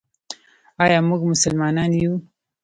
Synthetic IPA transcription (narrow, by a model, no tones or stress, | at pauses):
ɑjɑmuɡmʊsʊlmɑnɑnju